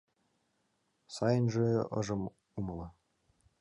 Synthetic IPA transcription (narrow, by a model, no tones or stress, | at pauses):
sɑjə̆nʒeɤ̰̆ʒɤ̆m | umɤlˠɤ̆